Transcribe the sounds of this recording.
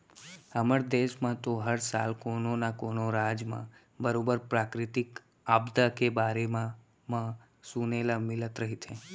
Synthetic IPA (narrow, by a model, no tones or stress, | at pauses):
əməɾd̪eʃmãt̪oɦəɾsa̰ːlkononakoːnoɾad͡ʒmã̰ | bəɾobəɾpɾakɾɪt̪ɪk | aːbd̪akebaːɾemã | mã | sunelamɪlət̪ɾəɦit̪ʰẽ